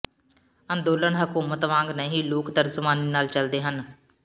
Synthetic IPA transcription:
ə̃nd̪oːləɳɦəkuːmət̪ʋãːŋɡnəɦiːloːkt̪əɾzʊmaːniːnaːlt͡ʃəld̪eːɦən

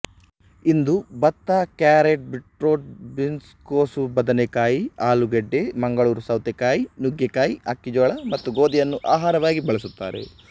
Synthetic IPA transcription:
ind̪ubɐt̪ːaːkaːɾeʈ̚biʈɾoːʈ̚binskoːsubɐd̪ɐnekaːjiaːluɡeɖːemɐŋɡɐɭuːɾusɐwt̪ekaːjinuɡjekaːjiɐkːid͡ʒɔːɭɐmɐt̪ːuɡoːd̪ijɐnːuʔaːɦaːɾɐʋaːɡibɐɭɐsut̪ːaːɾe̞̰

